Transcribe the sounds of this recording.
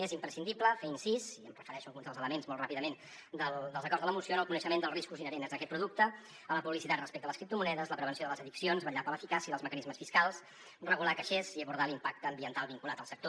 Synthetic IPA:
ezimpɾəsind̪ipləfeinsiziə̰mrəfəɾɛʃuəlɣunzðəlzələmenzmɔlt̪rapiðəmen | d̪əld̪əlˠzəkɔrzðələmusionəlˠkunəʃəmend̪əlˠriskuzinəɾenzðəkɛt̪̚pɾuðuk̚t̪ə | ələpuβlisit̪at̪rəspɛk̚t̪ələskɾipt̪umunɛðəzləpɾəβənsioðələzəðiksionzβəʎapələfikasiəðəlˠzməkənizməsfiskalˠs | rəɣulakəʃeziəβuɾð̞alimpak̚t̪əːmbiənt̪alˠβiŋkulat̪əlˠsək̚t̪o

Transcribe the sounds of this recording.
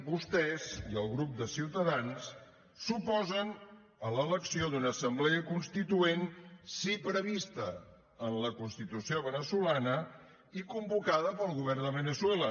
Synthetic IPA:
bust̪ɛziəlˠɣɾup̚d̪əsiwt̪əðansː | upɔzən | ələləksiod̪unəːsəmblɛəkunst̪it̪uensipɾəβist̪ə | ənləkunst̪it̪usioβənəsulanə | ikumbukaðəpəlˠɣuβɛrd̪əβənəswɛlə

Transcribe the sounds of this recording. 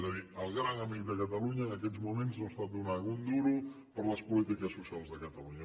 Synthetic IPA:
zəðiəlˠɣɾaŋəmik̚d̪əkət̪əluɲəːnəkɛzmumenznost̪at̪̚d̪unaɣund̪uɾu | pəɾləspulit̪ikəsːusialˠzðəkət̪əluɲə

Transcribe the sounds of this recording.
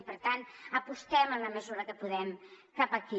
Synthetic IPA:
pəɾt̪ant̪əpust̪ɛmənləməzuɾəkəpuðɛmkapəki

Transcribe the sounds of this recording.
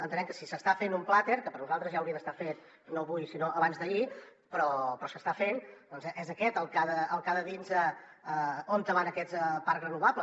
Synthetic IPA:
ənt̪ənɛmkəsisəst̪afenumplat̪eɾkəpəɾnuzalˠt̪ɾəzʒaəwɾiəðəst̪afet̪ | noβujsinoʔəβanzðəi | pɾɔpɾɔsəst̪afend̪ɔnzʔezəkɛt̪əlˠkaðəːlˠkaðəðinzəəont̪əβanəkɛt͡spaɾkrənuβaplə

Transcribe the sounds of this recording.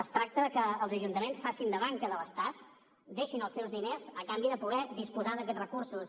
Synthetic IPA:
əst̪ɾak̚t̪əðəkəːlˠzəʒunt̪əmensfasind̪əβaŋkəðəβəst̪at̪ | d̪eʃinəlˠsɛwzðinezəkambiðəpuɣ̞ɛðispuzaðək̬ɛt̪rəkursus

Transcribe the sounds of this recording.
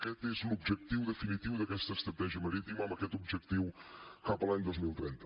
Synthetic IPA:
kɛt̪ezũmuβʒɛk̚t̪iwðɨfinit̪iwuðɐkɛʃt̪ɐʃt̪ɾɐt̪ɛʒiɐmɐɾit̪imamɐkɛt̪uβʒɛk̚t̪iwkapɾˠɐɲd̪ojʒmilˠt̪ɾĩnt̪ɐ̥

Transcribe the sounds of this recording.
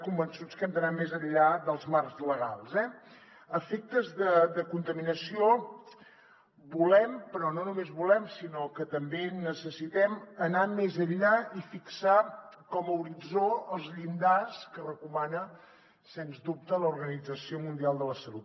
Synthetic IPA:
kumbənsut͡skɛmd̪ənamezəʎːad̪əlˠzmarzləɣa̰lˠzɛ | əfek̚t̪əzðəd̪əkunt̪əminəsio | bulɛmpɾɔnonumezβulɛmsinokət̪əmbenəsəsit̪ɛmənamezəʎaifiksakɔməuɾid͡zoəlˠzʎind̪askərəkumanə | senzd̪up̚t̪ələuɾɣənid͡zəsiomund̪ialˠd̪ələsəlut̪̚

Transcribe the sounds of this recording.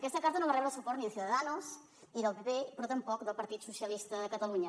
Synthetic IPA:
kɛst̪əkaɾt̪ənõβarɛβɾəlˠsupɔɾt̪niðθjuðəðanos | iðəlˠpepepɾot̪əmpɔkd̪əlˠpɐɾt̪it̪susjəlist̪əðəkət̪əluɲə

